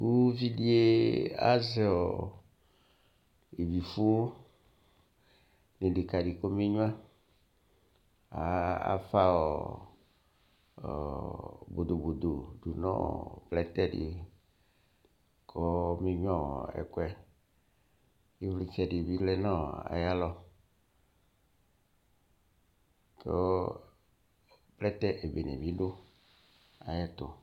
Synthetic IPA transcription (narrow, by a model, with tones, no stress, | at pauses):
ku˦vi˦ɖi˦e˦a̰˦zɛ˨˦ɔ˨ | e˨vi˨fu˦o˦ | nĩ˨ɖi˨ka˨ɖi˨ko˦me˦ɲũ˦ã˦ | a˨a̰˨fa˦ɔ˨ | bo˨d̪o˨bo˨d̪o˨ɖu˨nɔ̰̃˦˨plɛ˦t̪ɛ˦ɖḭ˨ | kʰɔ˦mĩ˦ɲ˦ɔ̃˦˨ɛ̰˨kwɛ˦ | ji˦fli˦t͡ʃɛ˦ɖi˨bi˦flɛ˦nã˦˨a̰˨ja˦lɔ˦ | ke˦ | plɛ˦t̪ɛ˦ʔe˨be˨nɛ̰̃˨bi˦ɖo˦ | a˨jɛ˦t̪o˨